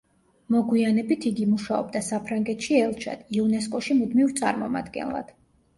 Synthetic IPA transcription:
mɔɡwianɛbit̪ʰiɡimuʃaɔ̰b̚d̪asapʰɾaŋɡɛt̪ʃiɛlˠt͡ʃʰa̰d̪̥iunɛs̬kʼɔʃimud̪mivt̪sʼa̰ɾmɔma̰d̪ɡɛ̰nlˠa̰d̪̥

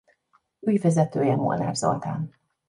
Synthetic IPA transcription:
yjvɛzɛt̪øːjɛmo̰lna̰ːrzo̰lt̪aːn

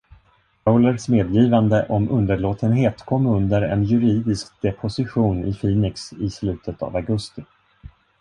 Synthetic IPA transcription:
awləɾsmeːd̪jiːvand̪əʔɔmɵnd̪əɾɭoːt̪ʰənɦeːt̪kʰɔmːɵnd̪əɾɛ̰njɵɾiːd̪ɪskd̪ɛpʰʊsɪɧuːnɪ̰fiːnɪksɪslʉ̟ːt̪ʰət̪a̰vaɡɵst̪ɪ

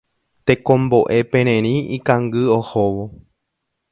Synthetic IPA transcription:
t̪ekõmbo̞ʔe̞pẽɾ̃ẽɾ̃ĩikãŋɡɨohoʋo

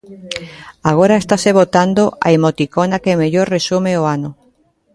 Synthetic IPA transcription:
aɣ̞oɾaest̪aseβot̪and̪oʔa̰emot̪ikonakemeʎoɾresumeoano

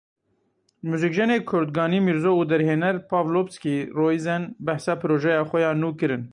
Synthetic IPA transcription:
muzikʒɛneːkʰʊɾd̪̚ɡɑːniːmiɾzoːuːd̪ɛɾheːnɛɾpʰɑːvlopskiːroːizɛnbɛħsɑːpʰɨɾoːʒɛjɑːxʷɛjɑːnuːkɨɾɨn

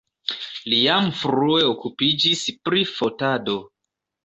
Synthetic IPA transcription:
lijamfɾue̞okupid͡ʒispɾifotado̞

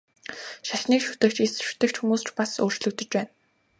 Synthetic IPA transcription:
ʃaɬniːkʃu̥t̪ɘ̆kt͡ɕisʃu̥t̪ɘ̆kt͡ɕxumuːst͡ɕpasoːr̥t͡ɕɮɵ̆k̚t̪ɵ̆t͡ɕpæːn

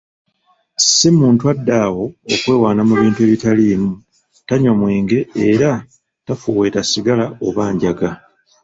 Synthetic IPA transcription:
semuːntuadːawo̞okwe̞ːwaːnamuβiːntue̞ːβitalimu | taɲomweːŋɡe̞eɾa | tafuːwe̞ːtasiɡalao̞βaːɲɟaɡa

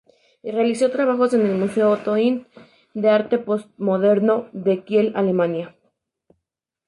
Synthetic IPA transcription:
realiso̞t̪ɾaβ̞axo̞se̞ne̞lmuse̞oːt̪o̞int̪ | d̪eaɾt̪e̞post̪̚mo̞ðe̞ɾno̞ðe̞kje̞lalemãnja

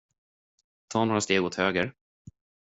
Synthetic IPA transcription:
t̪ʰɑːnoːɾast̪eːɡoːt̪høːɡəɾ

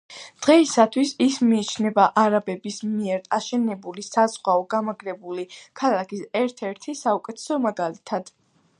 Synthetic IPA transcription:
d̪̥ʁɛisat̪ʰwisismiːt͡ʃʰnɛbaʔaɾabɛbismiɛɾaʃɛnɛbulisazʁwaɔɡamaɡɾɛbulikʰalˠakʰisɛɾt̪ʰɛɾt̪ʰisaukʼɛt̪ʰɛ̥sɔmaɡalit̪ʰad̪̥

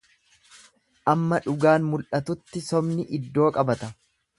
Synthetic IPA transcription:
ʔɐmːɐᶑʊɡaːnmʊlʔɐt̪ʊt̪ːɪsɔmnɪʔɪd̪ːo̞ːkʼɐbɐt̪ɐ

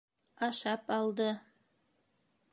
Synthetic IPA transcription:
ɑʃɑpɑlˠd̪ɤ

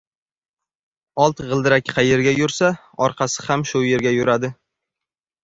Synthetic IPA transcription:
ɒlˠt̪ʁɨlˠd̪ɪɾakʲqʰɑjeɾɡʲajʊɾsa | ɒɾqʰɑsɪ̥hamʃʊje̞ɾɡʲajʊɾad̪ɪ

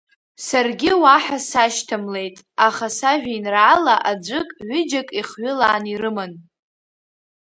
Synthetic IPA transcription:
sarɡʲɪwaħasaʃtʰɨmle̞jtʼ | aχasaʒᶣainraːlaʔad͡ʒʷɨkʼʕʷʏd͡ʒakʼiχɥʊlaːnirɨmɨn

